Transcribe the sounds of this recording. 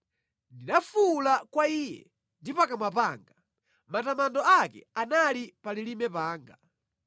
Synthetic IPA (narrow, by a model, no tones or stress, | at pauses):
ndiɗafulakwaiːjɛ̰ | ndipakamapaːŋɡa | matamandɔakɛ̰analipalilimɛpaːŋɡa